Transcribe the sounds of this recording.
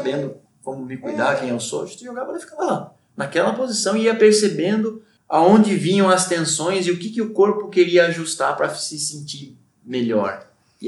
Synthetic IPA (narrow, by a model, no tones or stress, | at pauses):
abẽnd̪ʊ | kõmʊmɪkujd̪aɾkẽj̃ewso̰ɐʒẽt̪ʊɪʒoɡavɐd̪ɪfi̥kavɐla | nɐkɛlɐpozisɐ̃w̃iɐpeɾsebẽnd̪ʊ | aõnd͡ʒ̪ɪvĩɲɐ̃w̃ɐst̪ẽsõj̃zɪʊkɪkɪʊkoɾpʊkeɾiɐːʒust̪aɾpɾɐsɪsẽnt͡ʃ̪iɾ | meʎɔ̰ɾ